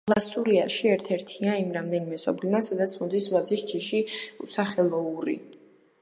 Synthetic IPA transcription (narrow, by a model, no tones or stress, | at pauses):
lˠasuɾiaʃiɛɾt̪ʰɛɾt̪ʰiaimɾamd̪ɛnimɛsɔ̰blinasad̪at̪sʰmɔd̪isvad̪zisd͡ʒiʃiusaχɛlˠɔuɾḭ